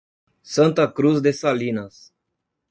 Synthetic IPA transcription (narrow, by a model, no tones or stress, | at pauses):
sant̪akɾusd̪esalinas